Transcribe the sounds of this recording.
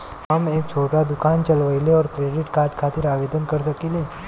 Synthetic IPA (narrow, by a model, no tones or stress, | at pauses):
ɦəmeːk̚t͡ʃʰoːʈad̪ʊkaːnt͡ʃəlʋəileɔːɾkɾeːɖɪʈkaːɾɖkʰat̪iɾaʋed̪ənkəɾsəkile